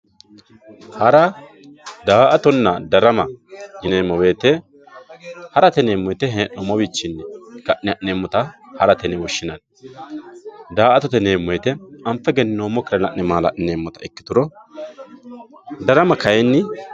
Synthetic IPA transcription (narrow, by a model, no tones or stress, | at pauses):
hɐɾɐ | d̪aːʔɐt̪ɔnːɐd̪ɐɾɐmɐd͡ʒɪneːmːɔwe̞ːt̪ɛ | hɐɾɐt̪ɛneːmːɔjɛt̪ɛɦeːnɔmɔwit͡ʃːɪnːɛɡɐʔnɪɐʔnemːɔt̪ɐhɐɾɐt̪ɛnɛwɔʃːɪnɐn | d̪aːʔɐt̪ɔt̪ɛneːmːɔjt̪ɛɐmpːɛɡɛnnoːmːɔkːɪɾɐnɐʔnɛmaːlɐ̰ʔneːmːɔt̪ɐɛkːɪt̪ʊɾɔ | d̪ɐɾɐmɐkɐjɛnːɪ